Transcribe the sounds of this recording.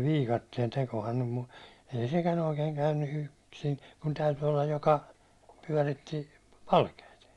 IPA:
ʋiːkɑtːien tekohɑn nym mu ei sekæn oikeːn kæynːy yksin kun tæyty olːɑ jokɑ pyæ̹ritːi pɑlkeit

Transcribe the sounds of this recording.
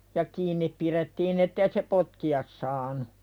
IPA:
jɑ kiːnːip piretːiːn etːei se potkiɑs sɑːnu

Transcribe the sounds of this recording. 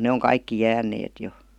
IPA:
ne oŋ kɑikːi jæːnˑeːt jo

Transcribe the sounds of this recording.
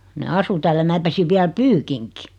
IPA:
ne ɑsu tæːl jɑ mæː pesiʋ ʋiæl pyːkiŋki

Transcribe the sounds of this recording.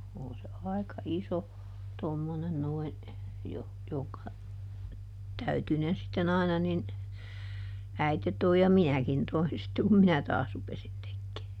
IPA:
on se ɑi̯kɑ iso tomːonen noin joh joŋkɑ tæytynen sitːen ɑinɑ nin æite toi jɑ minækin toin sitːe kum minæ tɑːs rupesin tekːeː

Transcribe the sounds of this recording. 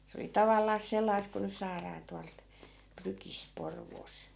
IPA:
se oli tɑʋɑlːɑːs selːɑis ku nys̆ sɑːrɑː tuɑlt prykist̆ porʋoːs

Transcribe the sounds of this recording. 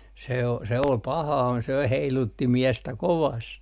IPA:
se o se ol pɑhɑː se heilutːi miɛstæ koʋɑst

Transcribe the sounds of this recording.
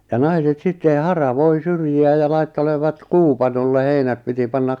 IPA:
jɑ nɑiset sitːen hɑrɑʋoi syrjiæ jɑ lɑitːeleʋɑt kuːpɑnolːe heinæt piti pɑnːɑk

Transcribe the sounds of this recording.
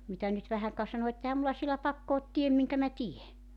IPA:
mitæ nyt ʋæhæŋ kɑ sɑno et ehæm mulːɑ sielæ pɑkːo ot tiem miŋkæ mæ tie

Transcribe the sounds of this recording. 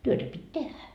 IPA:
tyøtæ pitʲ tehæ

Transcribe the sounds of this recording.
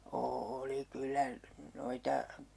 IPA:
oːli kylːæ noitɑ

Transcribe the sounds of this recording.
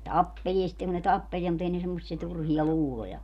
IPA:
tɑpːelʲie sĭtːeŋ kun ne tɑpːeliɛ mut ei ne semːosːie turhiɑ luːlojɑ

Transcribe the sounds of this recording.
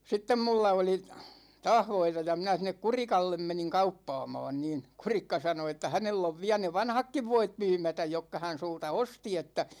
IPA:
sitːem mulːɑ oli tɑːh ʋoitɑ jɑ minæ sinˑek kurikɑlːem meniŋ kɑupːɑːmɑːn niːn̞ kurikːɑ sɑno etːæ hænelː oʋ ʋiæ ne ʋɑnhɑkːiʋ ʋoit myːmætæj jokːɑ hæn sultɑ osti etːæ

